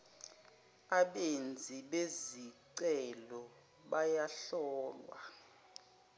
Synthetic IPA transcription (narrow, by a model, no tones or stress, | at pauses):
aɓend͡zʱiɓeziǀɛlɔ | ɓajaɬɔːlwa̰